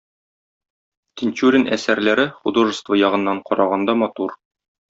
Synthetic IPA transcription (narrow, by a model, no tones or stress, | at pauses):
t̪ʲɪnʲt̪ʲuɾʲɪnʔæ̰sæɾlæɾɘχud̪oʒɤ̆st̪vɤjɒʁɤ̆nːɑɴqɒɾɑʁɑnd̪ɑmɒt̪uɾ